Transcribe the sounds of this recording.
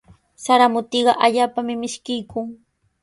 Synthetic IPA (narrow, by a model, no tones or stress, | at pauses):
saɾamʊt̪iɢɑʔaʎaːpamɪmɪʃkɪjkʊŋ